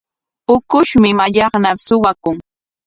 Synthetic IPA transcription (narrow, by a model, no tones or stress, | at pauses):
ʊkʊʃmɪmaʎɑχnaɾsʊwakʊŋ